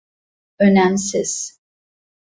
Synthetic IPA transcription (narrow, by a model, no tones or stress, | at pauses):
ønæmsɪz̥